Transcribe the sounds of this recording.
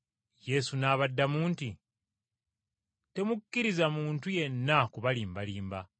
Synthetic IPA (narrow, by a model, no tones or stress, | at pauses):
je̞sunaːβadːamuːnti | te̞mukːiɾizamuːntuje̞nːakuβaliːmbaliːmba̰